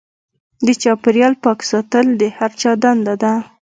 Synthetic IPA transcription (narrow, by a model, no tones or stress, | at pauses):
d̪ət͡ʃɑpɪɾjɑlpɑksɑt̪əld̪əhaɾt͡ʃɑd̪and̪ad̪a